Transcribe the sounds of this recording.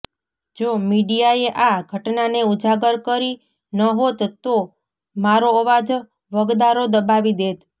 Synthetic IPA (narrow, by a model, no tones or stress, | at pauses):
d͡ʒomiɖijaeʔaɡʱəʈnaneud͡ʒaɡəɾkəɾi | nəɦot̪t̪ːo | maɾoəʋad͡ʒ | ʋəɡd̪aɾod̪əbaʋid̪et̪